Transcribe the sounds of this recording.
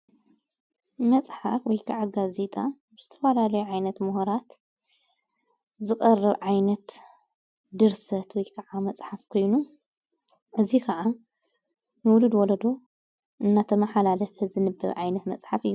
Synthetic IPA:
mɐt͡sʼħafwɔjkʰaʕaɡaze̞t̪ʼabɨzɨt̪ʰɐ̥falalɐjuʕajnɐt̪muhoɾat̪ | zɨkʼɐrːɐβʕajnɐt̪ | d̪ɨɾsɐt̪wɔjkʰɐʕamɐt͡sʼħafkʰo̞jnu | ʔɨzikʰɐʕa | nɨwʊlud̪wɔlɐd̪o̞ | ʔɨnːat̪ʰɐmɐħalalɐfɐzɨnɨbːɐ̰βʕajnɐt̪mɐ̰t͡sʼħafɨjːu

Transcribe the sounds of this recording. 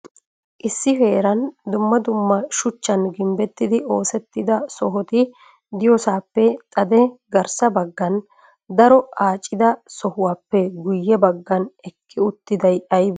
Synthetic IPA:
ʔɪsːɪfeːɾɐnd̪ʊmːɐd̪ʊmːɐʃʊt͡ʃːɐnɡɪmbɛt̪ːɪd̪ɪo̞ːsɛt̪ːɪd̪ɐsɔɦɔt̪ɪ | d̪ɪjɔsaːpːɛt̪ʼɐd̪ɛɡɐɾsɐbɐɡːɐn | d̪ɐɾɔaːt͡ʃʼːɪd̪ɐsɔhʊwaːpːɛɡʊjːɛbɐɡːɐnɛkːɪʊt̪ːɪd̪ɐjɐjb

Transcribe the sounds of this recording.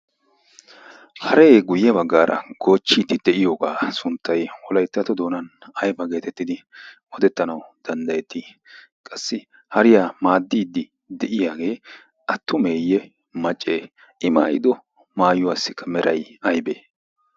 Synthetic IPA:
hɐɾeːɡʊjːɛbɐɡːaːɾʔɐ̰ɡ̥o̞ːt͡ʃːiːd̪ɪd̪̥ɛʔɪjo̞ːɡaːsʊnt̪ʰːɐjwɔlɐjt̪ːɐt̪ɔd̪o̞ːnɐnɐjbɐɡe̞ːt̪ɛt̪ːɪd̪ɪʔɔd̪ɛt̪ːɐnɐwd̪̥ɐnd̪ɐjɛt̪ːi | kʼɐsːɪ | hɐɾɪjaːmaːd̪ːiːd̪ːɪ | d̪ɛʔɪjaːɡe̞ː | ʔɐt̪ːʊmeːjːɛ | mɐt͡ʃʼːeː | ʔɪma̰ːjɪ̰d̪ɔ | maːjʊwaːsːɪkːɐmɛɾʔɐjɐjbeː

